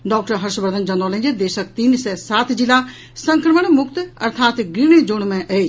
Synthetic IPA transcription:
ɖɔːk̚ʈəɾɦɐɾʃbəɾd̪ʱənd͡ʒɐnoːlə̃nd͡ʒed̪eːʃək̚t̪iːnsɛːsaːt̪ʰd͡ʒila | sɐ̃ŋkɾəməɽ̃mʊkt̪ɐ̰ɾt̪ʰaːt̪ɡɾiːɽ̃ed͡ʒoːɽ̃mẽʔɛe

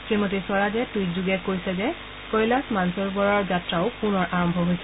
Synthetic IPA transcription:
xemɔtesɔɹadɛtujtzuɡɛkoɹjsɛzɛ | kɔjlasmansɔɹbɔɹɔɹzatɹaʊpunɔɹʔaɹɔmbʱɔɦojsɛ

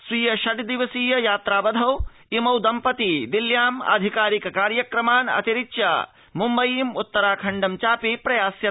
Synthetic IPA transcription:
sʋiːjɐʃɐʈd̪iʋɐsiːjɐjaːt̪ɾaːbɐd̪ʱɐw | imɐwd̪ɐmpɐt̪id̪iljaːmɐ̰d̪ʱikaːɾikɐkaːɾjɐkɾɐmaːnɐ̰t̪iɾitːt͡ʃa̰ː | mumbɐjiːmut̪ːɐɾaːkʰɐɳɖɐmt͡ʃaːpipɾɐjaːsjɐ

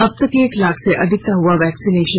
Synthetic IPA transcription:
ɐb̚t̪ɐkeːklaːkseʔɐd̪ʱɪk̚t̪aɦʊaʋɛːksineːʃə

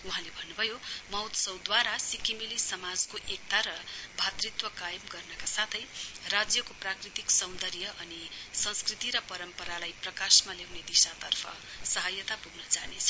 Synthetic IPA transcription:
uɦãlebʱʌnːubʱʌjomʌwt̪sʌwd̪waɾasikimilisʌmad͡zkoʔek̚t̪aɾʌbʱat̪rit̪wʌkajmɡʌrnʌkasat̪ʰʌjrad͡zjʌkoprakrit̪iksʌw̪̃d̪ʌɾjʌʔʌnisʌ̃nskrit̪iɾʌpʌɾʌmpʌɾalajprʌkasmalewned̪isat̪ʌrpʰʌ̰sʌɦʌjʌt̪apuɡnʌt͡sanet͡sʰʌ̥

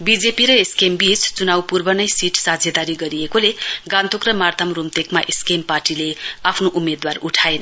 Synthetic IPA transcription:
bid͡zepiɾʌeskembit͡st͡sunawpurbʌnʌjsiʈsad͡zʱjʌd̪aɾiɡʌɾiekoleɡãnt̪ʰokrʌmart̪ʰamrumt̪ekmaʔeskemparʈileapʰnoʔumed̪waruʈʰaen

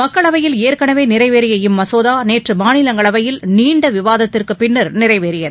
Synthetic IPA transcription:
mɐkːɐɭɐʋɐjɪleːɾkɐɳɐʋeːnɪɾɐɪʋeːɾɪjɐɪmːɐsoːðaːneːʈrɯmaːnɪlɐŋɡɐɭɐʋɐjɪlniːɳɖɐʋɪʋaːðɐt̪ːɪrkɯpɪnːɐɾnɪrɐɪʋeːɾɪjɐð

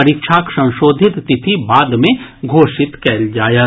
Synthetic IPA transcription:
ɐɾikʃʰaːksɐ̃w̃ʃoːd̪ʱɪt̪ːɪt̪ʰibaːd̪mẽɡʱoːʃɪt̪kɛːld͡ʒaːja

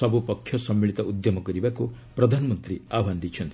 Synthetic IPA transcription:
ɔbupɔkʰːjɔsɔmːiɭit̪ɔʔud̪jɔmɔkɔɾibaku | pɾɔd̪ʱanɔmɔnt̪ɾiabʱand̪it͡ʃʰɔnt̪ʰi

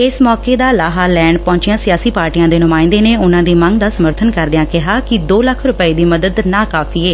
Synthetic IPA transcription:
ɪsmɔːkeːd̪aːlaːɦaːlɛːɳpɔ̃ːt͡ʃɪjãːsɪjaːsiːpaːɾʈijãːd̪eːnʊmaːɪ̃nd̪eːneːʊnãːd̪iːməŋɡ̚d̪aːsəməɾt̪ʰənkəɾd̪ɪjãːkɪɦaːkɪd̪oːləkʰɾʊpəiːd̪iːməd̪əd̪naːkaːfʰiːeː

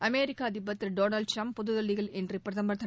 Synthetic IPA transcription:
ʔɐmeːɾɪkːaːd̪ɪbːɐt̪ːɪlɖoːnɐlɖ̚ʈɾɐmppːɔðɯðɐlːɪɣɐɭɛndrɯpɾɐðɐmbɐɾt̪ːɐ

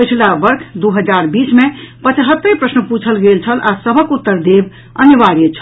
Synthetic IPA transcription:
pət͡ʃʰlabəɾkʰd̪uɦəd͡ʒaɾbismepət͡ʃɦət̪ːəpɾəsnəput͡ʃʰəlɡelt͡ʃʰəlasəbʱəkut̪ːəɾd̪eb | ənəʋaɾet͡ʃʰəl

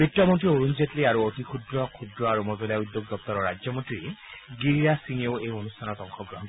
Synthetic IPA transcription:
bɹitːɔmɔntɹioɹunzetliaɹuot̪ikʰudɹɔkʰudɹɔaɹumɔzɔljaud̪joɡ̚d̪ɔp̚t̪ɔɹɔɹad͡ʒjɔmɔntɹiɡiɹiɹasiŋeʊejonustʰanɔtɔŋxʰɔɡɹɔɦɔnt

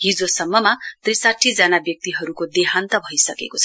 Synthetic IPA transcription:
ɦid͡zosʌmːʌmat̪risaʈʰːid͡zanabjʌk̚t̪iɦʌɾukod̪eɦant̪ʌbʱʌjsʌkḛkot͡sʰʌ

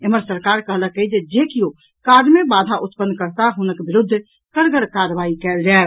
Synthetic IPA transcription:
eməɾsəɾkaɾkəɦləkəid͡ʒed͡ʒekijo | kaɖmebad̪ʱaʔʊt̪pənːkəɾt̪aɦʊnəkbɪɾʊd̪ʱː | kəɾɡəɽkaɾbaikɛld͡ʒal

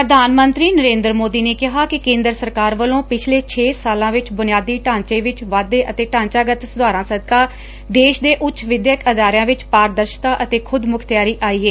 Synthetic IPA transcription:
pɾəd̪ʱaːnmənt̪ɾiːnəɾẽːnd̪ɾmoːd̪iːneːkɪɦaːkɪkẽːnd̪ɾəsəɾkaːɾʋəlõːpɪt͡ʃʰleːt͡ʃʰeːsaːlãːʋɪt͡ʃbʊnɪjaːd̪iːʈãːɲt͡ʃeːʋɪt͡ʃʋaːd̪eːʔət̪eːʈãːɲt͡ʃaːɡət̪sʊd̪aːɾãːsəd̪kaː | d̪eːʃd̪eːʔʊtːt͡ʃʃʋɪd̪jəkəd̪aːɾjãːʋɪt͡ʃpaːɾd̪əɾʃt̪aːʔət̪eːkʰʊd̪mʊkʰt̪jaːɾiːʔaːiːeː

